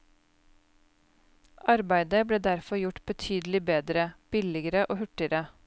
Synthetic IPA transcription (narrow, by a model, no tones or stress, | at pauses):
ʔɑɾbæɪd̪əbɽeːd̪æɾfɔɾjʊʈb̥ət̪ʰyːd̪l̩ɪbeːd̪ɾəb̥ɪlɪɡəɾəʔoːhʉʈɪɾə